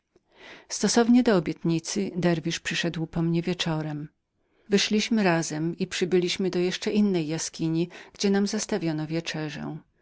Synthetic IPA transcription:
st̪ɔsɔvɲɛd̪ɔːbʲjɛt̪ɲit̪sɘd̪ɛɾvʲiʂpʂɘʂɛd̪wpɔmɲɛvʲjɛt͡ʂɔɾɛm | vɘʂlʲiɕmɘɾazɛmipʂɘbɘlʲiɕmɘd̪ɔjɛʂt͡ʂɛʔinːɛjːaskʲiɲiɡ̥d͡ʑɛnamzast̪avʲjɔnɔvʲjɛt͡ʂɛʐɛ̰̃

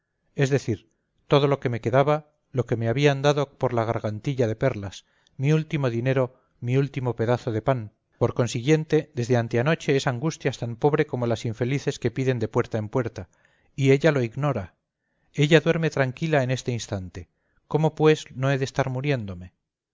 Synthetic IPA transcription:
e̞zðe̞θiɾ | t̪o̞ð̞o̞lo̞ke̞me̞ke̞ðaβa | lo̞ke̞me̞aβiand̪aðo̞po̞ɾlaɣ̞aɾɣant̪iʎaðe̞pe̞ɾlas | miult̪imo̞ðine̞ɾo̞ | miult̪imo̞pe̞ðaθo̞ð̞e̞pan | po̞ɾko̞nsiɣje̞nt̪e̞ðe̞zðe̞ant̪eano̞t͡ʃe̞esaŋɡust̪jast̪ampo̞βɾe̞ko̞mo̞lasiɱfe̞liθe̞ske̞piðe̞nd̪e̞pwe̞ɾt̪aempwe̞ɾt̪a | ie̞ʎalo̞iɣno̞ɾa | e̞ʎaðwe̞ɾme̞t̪ɾaŋkilae̞ne̞st̪e̞inst̪ant̪e̞ | ko̞mo̞pwe̞sno̞e̞ðest̪aɾmuɾje̞nd̪o̞me̞

